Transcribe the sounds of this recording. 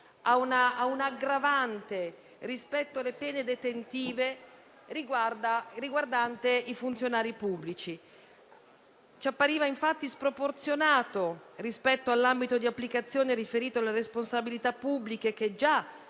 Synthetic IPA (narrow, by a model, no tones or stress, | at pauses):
aunaːunaɡɾavant̪e | rispɛt̪ːoalepɛːned̪et̪ent̪iːve | ɾiɡwd̪ariɡward̪ant̪eifunt̪sjonaːɾipubːlit͡ʃi | t͡ʃapːaɾiːvaiɱfat̪ːispɾoport̪sjonaːt̪orispɛt̪ːoalːambit̪od̪iapːlikat̪sːjoːneɾifeɾiːt̪oalːeɾesponsabilit̪apːubːlikek̟ed͡ʒa